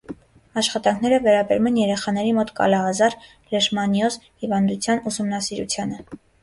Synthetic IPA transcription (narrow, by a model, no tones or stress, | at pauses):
ɑʃχɑt̪ɑŋkʰnɛɾəvɛɾɑbɛɾumɛnjɛɾɛχɑn̪ɛɾimɔt̪kɑ̰lɑɦɑzɑɾ | ləʃmɑnjɔzhivɑnd̪ut͡sʰjɑnusumnɑsiɾṵt͡sʰjɑnə